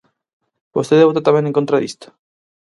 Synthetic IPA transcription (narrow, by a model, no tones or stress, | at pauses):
b̥ost̪eðeβot̪at̪amẽnẽŋkont̪ɾaðḭst̪ḁ